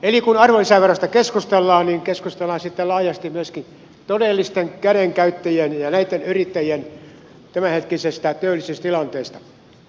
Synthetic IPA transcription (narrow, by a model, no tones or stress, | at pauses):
elikunɑrʋolisæʋerost̪ɑkeskust̪elːɑːnniŋkeskust̪elːˑɑːnsit̪ːelɑːjɑst̪immyøskin | t̪odelːist̪eŋkæɾeŋkæyt̪ːæjienjɑnæit̪ːenyrit̪ːæjien | t̪æmæhet̪kisest̪æt̪øːlːˑisist̪ilɑnt̪eːst̪ɑ̥